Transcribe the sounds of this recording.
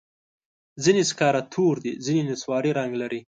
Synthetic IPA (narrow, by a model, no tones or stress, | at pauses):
zineskɑɾat̪ʰoɾd̪izinenɪswɑɾiɾaŋɡlaɾi